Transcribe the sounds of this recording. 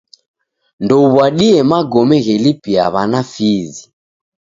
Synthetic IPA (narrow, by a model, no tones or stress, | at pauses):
ndɔuβwaɗiɛmaɡɔmɛɣɛlipia̰βanafizi